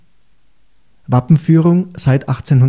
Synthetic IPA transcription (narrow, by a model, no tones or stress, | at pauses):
vapm̩fyːʁʊŋz̥aɪtʔaχt͡seːnɦʊn